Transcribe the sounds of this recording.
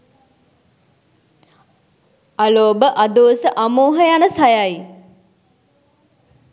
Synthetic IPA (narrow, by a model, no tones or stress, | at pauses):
aloːbəʔad̪oːsəʔamoːɦəjanəsajaj